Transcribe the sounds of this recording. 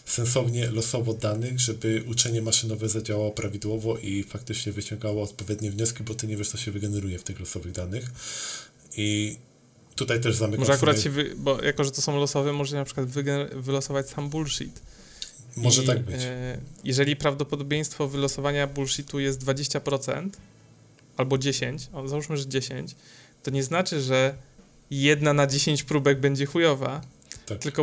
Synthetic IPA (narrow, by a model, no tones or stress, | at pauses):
sɛnsɔvɲɛlɔsɔvɔd̪anɘɣʐɛbɘʔut͡ʂɛɲɛmaʂɘnɔvɛzad͡ʑawawɔpɾavʲid̪wɔvɔʔifak̚t̪ɘt͡ʂɲɛvɘt͡ɕɔ̃ŋɡawɔɔt̪̚pɔvʲjɛd̪ɲɛvɲɔskʲibɔt̪ɪɲɛvʲjɛʂt̪ɔɕɛvɘɡɛnɛɾujɛft̪ɘxlɔsɔvɘɣd̪anɘx | i | t̪ut̪ajt̪ɛʐzamɘkmɔaʐɛakuɾat̪ɕɛvɘbɔjʔakɔʐɛt̪ɔsɔ̃w̃lɔsɔvɛmɔʐɛɕɛnapʂɘkwad̪vɘɡɛvɘlɔsɔvat͡ɕsambulʂḭt̪ | mɔʐɛt̪aɡ̚bɘt͡ɕjɛʐɛlʲipɾavd̪ɔpɔd̪ɔbʲjej̃st̪fɔvɘlɔsɔvaɲabulʂit̪ujɛst̪d̪vad͡ʑeɕt͡ɕapɾɔt̪sɛ̰nt̪ | albɔd͡ʑeɕeɲt͡ɕɔzauʂmɘʐɛd͡ʑeɕeɲt͡ɕ | t̪ɔɲɛznat͡ʂɘʐɛ | jɛd̪nanad͡ʑeɕeɲt͡ɕpɾubɛɡbɛɲd͡ʑɛxujɔva | at̪ɘlkɔ